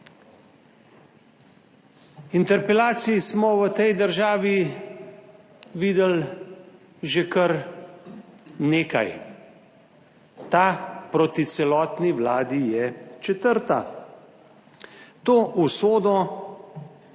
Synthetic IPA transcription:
int̪ɛɾpɛlaːt̪sijsmɔʋət̪ɛjd̪əɾʒaːʋi | ʋiːd̪ɛl | ʒekəɾ | neːka̰j | t̪aːpɾot̪isɛlɔːt̪niʋlaːd̪ijɛt͡ʃɛt̪əɾt̪a̰ | t̪oːʔusoːd̪ɔ

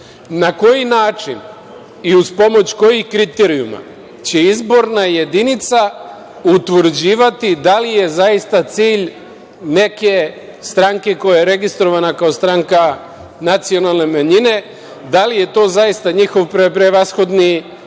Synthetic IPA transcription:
nako̞jinaːt͡ʃin | iuzpo̞mo̞t͡ɕko̞jixkɾit̪eɾiuma̰ | t͡ɕe̞izbo̞ɾnaje̞d̪init̪sa | ut̪ʋɾd͡ʑiːʋat̪id̪alije̞zajist̪at̪siːʎ | ne̞ke̞ | st̪ɾaŋke̞ko̞jajeɾe̞ɡist̪ɾo̞ʋanakaost̪ɾaŋka | nat̪sio̞nalˠne̞maɲine̞ | d̪alije̞t̪o̞ːzajist̪aɲixo̞ʋpɾepɾeʋasxo̞d̪ni

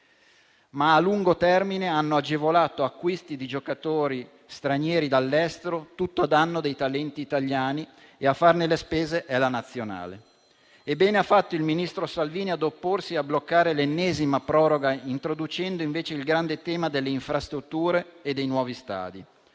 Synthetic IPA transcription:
maːluŋɡot̪ɛrmineanːoad͡ʒevolaːt̪oakːwist̪id̪id͡ʒokat̪oːɾi | st̪ɾanjɛːɾid̪alːɛst̪eɾot̪ut̪ːoad̪anːod̪ejt̪alɛnt̪iːt̪aʎːaːni | eafːarnelespeːzeʔɛlanat̪sːjona̰ːle | ebːɛːneafːat̪ːoilminist̪ɾosalviːniad̪opːorsiablokːaːɾelenːɛːzimapɾɔːɾoɡaint̪ɾod̪ut͡ʃɛnd̪oiɱveːt͡ʃeilɡɾand̪et̪ɛːmad̪elːeiɱfɾast̪ɾut̪ːuːɾeːd̪ːejnwɔːvist̪a̰ːd̪i

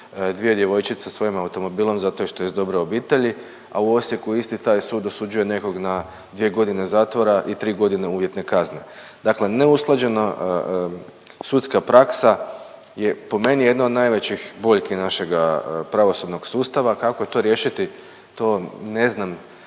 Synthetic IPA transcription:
d̪ʋie̞d̪jeʋo̞jt͡ʃit̪sesʋo̞jimaut̪o̞mo̞biːlˠo̞mzat̪o̞eʃt̪ojezd̪o̞bɾeo̞biːt̪e̞ʎi | a̰uo̞sje̞kuist̪it̪aːjsuːd̪osud͡ʒuje̞ne̞ko̞ɡna | d̪ʋie̞ɡo̞d̪ine̞zaːt̪ʋo̞ɾaʔit̪ɾiːɡo̞d̪ine̞uːʋje̞t̪ne̞kazne | d̪akle̞neuslˠad͡ʑe̞na | sut̪skapɾaksa | jepo̞me̞nije̞d̪naod̪najʋet͡ɕixbo̞ʎkinaʃe̞ɡapɾaʋo̞sub̪no̞ɡsuːst̪aʋakakoje̞t̪o̞ɾje̞ʃit̪i | t̪o̞ːne̞znam

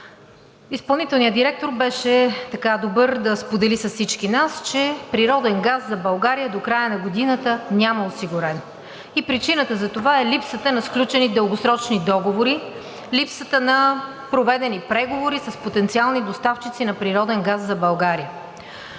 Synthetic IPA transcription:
ispɐlˠnit̪ɛlˠnijəd̪d̪iɾɛk̚t̪oɾbɛʃɛt̪ɐkad̪obɤɾd̪ɐspod̪ɛlisɐssit͡ʃkinast͡ʃɛpɾiɾɔd̪ɛnɡazzɐbɐlˠɡaɾijəd̪okɾajənɐɡod̪inət̪ənʲaməosiɡuɾɛn | ipɾit͡ʃinət̪əzɐt̪ovaɛlipsət̪ənɐsklʲut͡ʃɛnid̪əlˠɡosɾɔt͡ʃnid̪ɔɡovoɾi | lipsət̪ənɐ | pɾovɛd̪ɛnipɾɛɡovoɾisəspot̪ɛnt̪sialˠnid̪ost̪aft͡ʃit̪sinɐpɾiɾɔd̪ɛnɡazːɐbɐlˠɡaɾijə

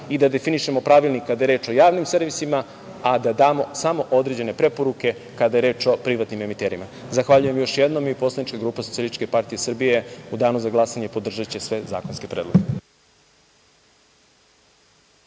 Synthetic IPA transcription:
id̪ad̪e̞finiʃe̞mo̞pɾaʋilˠnikad̪ajeɾe̞ːt͡ʃo̞jaːʋnimseɾʋisima | ad̪ad̪aːmo̞samo̞ʔo̞d̪ɾe̞d͡ʑe̞ne̞pɾe̞po̞ɾuke̞ | kad̪ajeɾeːt͡ʃo̞pɾiʋat̪nime̞mit̪eːɾimazaxʋaʎuje̞mjo̞ʃjed̪no̞mipo̞slˠanit͡ʃkaɡɾuːpasot̪ielisit͡ʃkepaɾt̪ijesr̩bije̞ud̪aːnuzaɡlˠasaɲe̞po̞d̪r̩ʒat͡ɕe̞sʋe̞za̰ːkonskepɾeːdlo̞ɡe

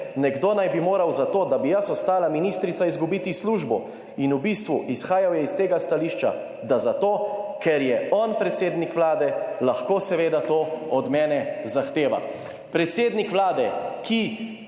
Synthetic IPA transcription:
nɛɡd̪oːnajbimoːɾawzat̪oːd̪abijasɔst̪aːlaminiːst̪ɾit̪saizɡubiːt̪isluːʒbɔ | inubist̪ʋuʔisxaːjawjɛist̪eːɡast̪aliʃt͡ʃa̰ | d̪azat̪oːkɛɾjɛɔnpɾɛt̪seːd̪nikʋlaːd̪ɛlaxkoːsɛʋeːd̪at̪oːɔd̪mɛːnɛzaxt̪eːʋa̰ | pɾɛt̪seːd̪nikʋlaːd̪ɛkʰi

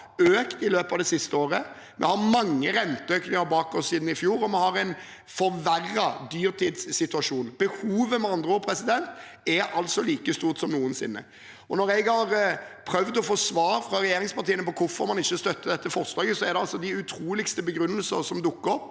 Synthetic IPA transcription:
øːkt̪ɪløːpɑːʋd̪ɛsɪst̪əoːʁə | mʔɛ̰hɑɾmɑŋːəɾɛnt̪əøːknɪŋɑɾbɑːkɔssiːd̪n̩ɪfjuːɾɔmɛhɑɾɛɪn | fɔɾʋærːɑd̪yːɾt̪ʰiːd̪sːɪt̪ʉɑʂuːnbəhuːʋəmɛɑnd̪ɾəuːpʰɾɛsɪd̪ɛnt̪ | ɛɑlt̪sɔliːkəst̪uːɾt̪sɔmnuːənsɪ̰nːə̰ | ɔnɔɾɛɡhɑɾpʰɾœʋd̪ɔfoːsʋɑːɾfɾɑɾɛjeːɾɪŋspɑʁt̪ʰiːənəpɔkʰʊɾfɔɾmɑnɪçːəst̪œt̪ːəd̪ɛt̪ːəfɔɾslɑːɡəsɔæɾd̪ɛɑlsɔd̪ɪʉt̪ʰɾuːlɪkst̪əbəɡɾʉnːəlsəsɔmd̪ʊkːəɔpː

